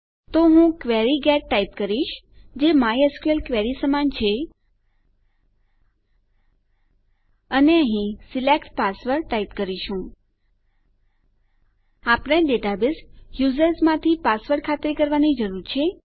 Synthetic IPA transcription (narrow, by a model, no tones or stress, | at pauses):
t̪oɦũkʋeɾiɡɛʈːaip̚kəɾiʃd͡ʒemajəskuelkʋɛɾisəmant͡ʃʰe | əneəɦĩsilekʈpasʋəɾʈaipkəɾiʃũ | apɳeɖeʈabɪsjuzəɾsmãt̪ʰipasʋəɾkʰat̪ɾikəɾʋanid͡ʒəɾuɾt͡ʃʰe